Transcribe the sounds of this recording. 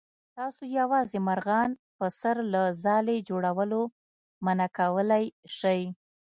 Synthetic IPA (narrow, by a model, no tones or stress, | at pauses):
t̪ɑsojawɑzemaɾɣɑnpəsaɾlazɑled͡ʒoɽawəlo | manakawəlajʃəj